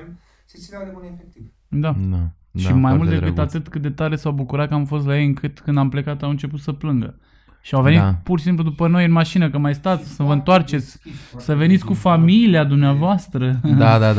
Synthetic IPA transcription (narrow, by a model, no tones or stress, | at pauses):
efek̚t̪iv | d̪a | ʃimajmmult̪d̪ekɨt̪at̪ɨt̪kɨt̪̚d̪e̞t̪aɾe̞sawbukuɾat̪̚kəamfo̞st̪lajejɨŋkɨt̪kɨnd̪ample̞kat̪awɨnt͡ʃe̞put̪səplɨŋɡə̰ | ʃiawve̞nipuɾʃisimplud̪upəno̞jɨnmaʃinəkəmajst̪at̪sʲsəvəɨnt̪oart͡ʃe̞t̪sʲsəve̞nit̪sʲkufamiliad̪umneavoast̪ɾəad̪a